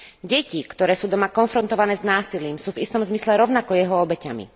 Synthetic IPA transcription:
ɟɛcikt̪ɔɾɛːsuːd̪ɔmakɔnfɾɔnt̪ɔʋanɛːznaːsiliːmsuːvist̪ɔmzmislɛɾɔʊnakɔjɛɦɔɔbɛcamḭ

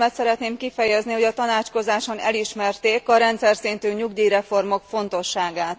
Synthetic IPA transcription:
mɛt̪sɛɾɛt̪neːmkifɛjɛzniho̞ɟɒt̪ɒnaːt͡ʃko̞zaːʃo̞nɛ̰liʃmɛrt̪eːkɒɾɛnt̪sɛrsint̪øːɲuɡd̪iːɾɛfo̞rmo̞kfo̞nt̪o̞ʃːaːɡaːt̪

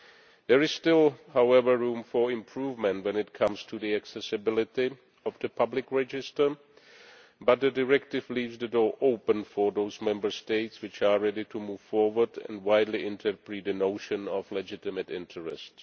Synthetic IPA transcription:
ðɛɹɪz̥stɪlˠhawɛvə˞ɹũːmfɔ˞ɪ̃mpʰɹuːvmə̃ntwɛ̃nɪt̚kʰʌ̃mstʰuðiæksɛsɨbɪlɪtɪ | ɔvðəpʰʌblɪkɹɛd͡ʒɪstə˞ | bʌt̚ðɨdɪɹɛk̚tɪvliːvzðədɔːɹʔoʊpə̃nfɔɹðoʊzmɛ̃mbə˞steɪtswɪt͡ʃaɹɛdɪtʰumuv̥fɔɹwə˞dɛ̰̃nwaɪdˡliʔɪ̃ntʰə˞pɹitdɨnoʊʃɨ̃nɔvlɛd͡ʒɪtɪmɨtɪ̃ntʰəɹɛ̰sts

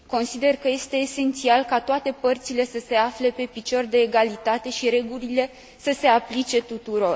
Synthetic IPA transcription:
ko̞nsid̪e̞rkəje̞st̪e̞ːse̞nt̪sialkat̪oat̪e̞pərt̪sile̞səse̞afle̞pe̞pit͡ʃo̞rd̪e̞ːɡalit̪at̪e̞ʃiɾe̞ɡulile̞ | səse̞aplit͡ʃe̞t̪ut̪uɾo̞r

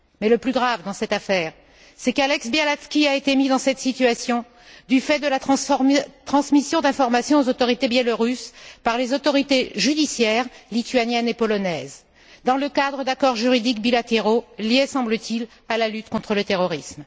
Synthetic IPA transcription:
mɛləplyɡʁavd̪ɑ̃sɛt̪afɛːʁ | sɛkalɛksbjalaskʲiaet̪emid̪ɑ̃sɛt̪sit̪ɥasjɔ̃ | d̪yfɛd̪əlat̪ | t̪χɑ̃smisjɔ̃d̪ɛ̃fɔʁmasjɔ̃ozot̪ɔʁit̪ebjɛloʁyspaʁlezot̪ɔʁit̪eʒyd̪isjɛʁlit̪yanjɛnepɔlɔnɛz | d̪ɑ̃ləkad̪ʁəd̪akɔʁʒyʁid̪ikbilat̪eʁoljesɑ̃blət̪ʰil | alalyt̪kɔ̃t̪χələt̪eʁɔʁism

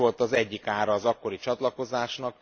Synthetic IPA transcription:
o̞lt̪ɒzɛɟːikaːɾɒːzɒkːo̞ɾit͡ʃɒt̪lɒko̞zaːʃnɒk

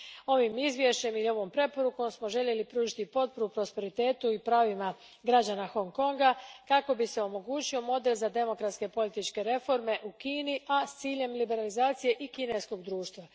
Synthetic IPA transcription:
o̞ʋimizʋʲje̞ʃt͡ɕe̞milio̞ʋo̞mpɾe̞po̞ɾuko̞ːmsmo̞ʒe̞ʎe̞lipɾuːʒit̪ipo̞t̪̚poɾupɾo̞spe̞ɾit̪eːt̪uipɾaːʋima | ɡɾad͡ʑanaxo̞ŋko̞ŋɡakako̞bise̞o̞mo̞ɡuːt͡ɕio̞mo̞d̪e̞lzad̪e̞mo̞kɾat̪ske̞po̞lit̪it͡ʃke̞ɾe̞fo̞ɾme̞ʔukiːniʔast̪siːʎe̞mlibe̞ɾalizaːt̪sije̞ʔikine̞sko̞ɡd̪ɾuːʃt̪ʋa

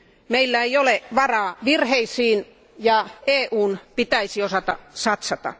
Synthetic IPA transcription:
meilːæeioleʋɑrɑːʋirheisiːn | jɑeːʔuːnpit̪æisiosɑt̪ɑ̰sɑt̪sɑt̪ɑ̰

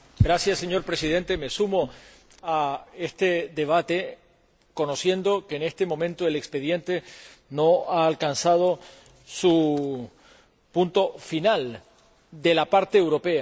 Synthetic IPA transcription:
ɡɾasjasːe̞ɲo̞ɾpɾesið̞e̞nt̪e̞me̞sumo | ae̞st̪e̞ðe̞β̞at̪e̞ | ko̞no̞sje̞nd̪o̞keːne̞st̪e̞mõ̞mẽnt̪oele̞kspe̞ðje̞nt̪e̞ | no̞aːlkansað̞o̞ | su | punt̪o̞final | d̪e̞lapaɾt̪eːwɾo̞pe̞a

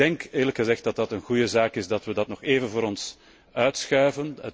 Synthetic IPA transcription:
dɛŋkɪːrləkxəzɛxt̚d̥ɑt̚dɑtənɣujəzaːkɪsdɑtʋədɑtnɔxeːvənvʊːɾɔns | œɥtsxœːvənə

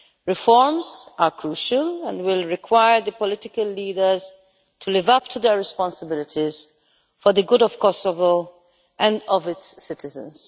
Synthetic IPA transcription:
ɹɪfɔɹmzʔəɹkʰɹuːʃəlɛ̃ndwɪlɹɪkʰwaɪəɹd̪əpɔlɪtɪkəlːiːdə˞z̥ | tʰulɪvʌp̚tʰud̪əɹɹɪspɑ̃nsəbɪlɪtʰiz̥ | fɔ˞ðəɡʊdɔv̥kɔsɔvo | ʔɛ̃ndɔvɪtsːɪtɪzə̰̃nz̥

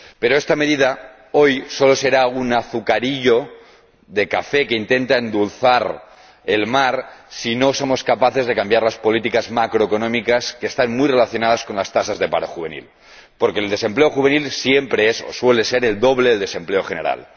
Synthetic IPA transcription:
pe̞ɾo̞est̪ameðiða | o̞jso̞lo̞se̞ɾaunaθukaɾiʎo̞ | ðe̞kafe̞keint̪e̞nt̪aend̪ulθaɾ | e̞lmaɾsino̞somo̞skapaθe̞zðe̞kambjaɾlaspo̞lit̪ikazmakɾoeko̞nõmikaskeːst̪anmujre̞laθjo̞nað̞asko̞nlast̪asazðe̞paɾoxuβe̞nḭl | po̞ɾke̞ːld̪e̞se̞mple̞oxuβenilsjempɾeeso̰swe̞le̞se̞ɾe̞ld̪o̞βleðeld̪e̞se̞mple̞oxene̞ɾa̰l

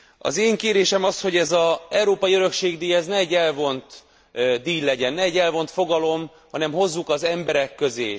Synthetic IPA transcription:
ɒ̰zeːŋkeːɾeːʃɛmɒsho̞ɟɛzɒɛwɾoːpɒiøɾø̞kʃeːɡd̪iːjɛznɛɛɟːɛlvo̞nt̪ | d̪iːllːɛɟɛnːɛɛɟːɛlvo̞nt̪fo̞ɡɒlo̞m | hɒnɛmho̞zːukɒzɛmbɛɾɛkːø̞zḛː

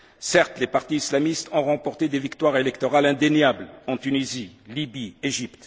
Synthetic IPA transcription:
sɛʁt̪lepaʁt̪iislamist̪ɔ̃ʁɑ̃pɔʁt̪ed̪evikt̪waʁelɛkt̪ɔʁalɛ̃d̪enjablɑ̃t̪ynizilibieʒipt̪

